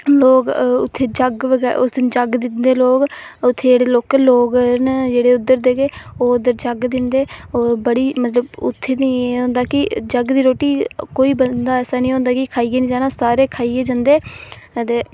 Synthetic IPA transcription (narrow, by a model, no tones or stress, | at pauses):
loːkʊ̰t̪ʰːeːd͡ʒəɡʋəɡɛʊ̰sd̪ɪnd͡ʒəɡd̪ɪnd̪eːloːkʊt̪ʰːeːd͡ʒeːɽeːloːkloːɡɾnd͡ʒeːɽeːʊd̪ːəɾd̪eːɡeːoːʊd̪əɾd͡ʒəɡd̪ɪnd̪eːoːbəɽiːmət̪ləbʊ̰t̪ʰːeːnĩːeɦõːnd̪aːkɪd͡ʒəɡd̪iːɾoːʈiːkoːiːbəd̪aːɛːsaːnĩːɦõːnd̪aːkɪkʰaːiːɡeːnĩːd͡ʒaːnaːsaːɾeːkʰaːiːɡeːd͡ʒãːnd̪eːt̪eː